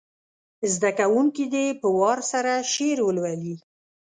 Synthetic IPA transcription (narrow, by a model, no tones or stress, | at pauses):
zd̪akawuŋkid̪epəwɑɾsaɾaʃeɾwəlwali